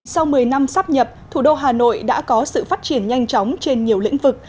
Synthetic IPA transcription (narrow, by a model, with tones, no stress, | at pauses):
sa˧wmɨ˨˩əjna˧msaː˦˥p̚ɲə˨˩p̚t̪ʰu˧˩ɗo˧ɦaː˨˩no̰˧˨jɗa̰ː˧˥kɔ˨˦sɨ̰˧˨faː˦˥t̚t͡ɕi˧˩ənɲa˧jŋ̟t͡ɕɔ˨˦wŋ͡mt͡ɕe˧nɲi˨˩əwlḭ̈˧˥ŋ̟vɨ˨˩k̚